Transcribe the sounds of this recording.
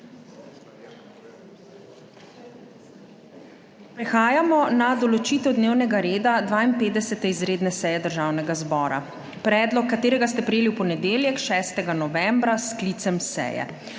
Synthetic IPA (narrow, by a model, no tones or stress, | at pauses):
pɾɛxaːjamɔnad̪ɔlɔt͡ʃiːt̪ɛwd̪neːwnɛɡaɾeːd̪ad̪ʋaːinpeːd̪d̪ɛsɛt̪ɛizɾeːd̪nɛsɛːjɛd̪əɾʒaːwnɛɡazbɔːɾa̰ | pɾɛːd̪lɔkːat̪eːɾɛɡast̪ɛpɾɛjeːliwpɔnɛd̪eːljɛkʃɛːst̪ɛɡanɔʋɛmbɾaskliːt̪sɛmsɛ̰jɛ̰